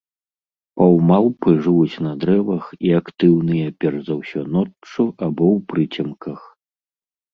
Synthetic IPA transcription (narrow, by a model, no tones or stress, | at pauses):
pɐwmaw̪ˠpɨʐɨvut͡sʲnɐd̪ɾɛvɐxiakt̪ɨwnɨjɐpʲɛrzawsʲɔnɔt͡ʂuʔabɔwpɾɨt͡sʲɐmkʰɐx